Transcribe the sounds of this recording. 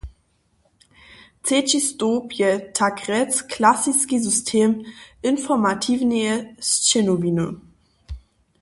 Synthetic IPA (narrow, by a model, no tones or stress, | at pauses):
t͡set͡ʃistoːpjɛtʰakʁɛt͡skʰlasiskizystʰeːmʔɪnfɔɐmatʰiːvneəst͡ʃɛnoviːnə̰